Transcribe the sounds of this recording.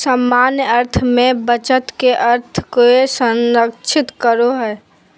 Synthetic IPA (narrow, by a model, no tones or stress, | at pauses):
səmːaːnjəɾt̪ʰmẽbət͡ʃət̪keʔəɾt̪ʰkoesə̃nɾəkt͡ʃʰɪt̪kəɾoɦɛː